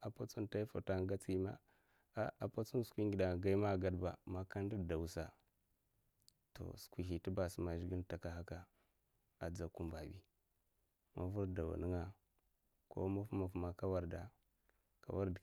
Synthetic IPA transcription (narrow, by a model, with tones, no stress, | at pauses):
a˨pa˦t͡su˦nta˦i˦fa̰˨ta˦ŋ˦ɡa˦t͡si˦ma̰˦ | a˦a˨pa˦t͡su˦n˦skʷi˦ŋɡi˨da˨ɡa˦i˦ma˦˨ɡa˦dba̰˨ma˦ka˦n˦di˦˨da˨wu˨sa˨ | to̰˨skʷi˨ɦi˨ti˦ba˨sma˨ʒi˦ɡi˦n˦ta˨ka˨ɦa˦ka˦ | a˨d͡za˦ku˦mba˨bḭ˦ | mʔa˦vu˦ɾda˨wa̰˨nə˦ŋa˦ | ko̰˦ma˦fma˨fma˨ka˦wa˦ɾda˨ | ka̰˨wa˦ɾd